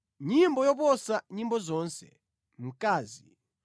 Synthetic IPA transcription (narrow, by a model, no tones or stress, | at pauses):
ɲimbɔjɔp̬ɔsaɲimbɔzɔːnsɛ̰ | m̩kaːzi